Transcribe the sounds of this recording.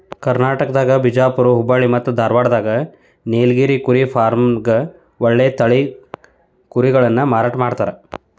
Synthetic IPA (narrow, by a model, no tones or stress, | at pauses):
kɐɾnaːʈɐkɐd̪aːɡɐbʱid͡ʒaːpuɾuɦubaːɭimɐt̪ːud̪ʱaːɾʋaːɽɐd̪aːɡɐ | neːlɡiːɾikuɾipʰaːɾmɡɐ | ʋɔɭːeːt̪ɐɭi | kuɾiɡɐɭɐnːɐmaːɾaːʈɐmaːɖt̪aːɾe